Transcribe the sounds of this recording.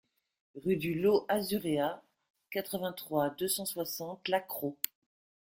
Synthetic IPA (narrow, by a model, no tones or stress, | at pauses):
ʁyd̪yloʔazyʁea | kat̪χəvɛ̃t̪χwad̪øsɑ̃swasɑ̃t̪lakχo